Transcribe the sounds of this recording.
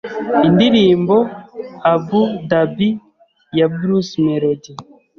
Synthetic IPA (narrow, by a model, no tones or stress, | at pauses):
indiɾiːmboabudabi | jabuɾusmeɾodi